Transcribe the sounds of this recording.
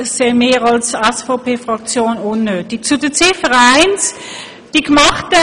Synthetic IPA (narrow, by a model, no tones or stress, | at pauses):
seɪmeːʁɑlsɛsfaʊpʰeːfʁɑkt͡sjoːnʊnːøt̚d̥it͡sudət͡sefəʁæɪns | d̥ikmɑχtə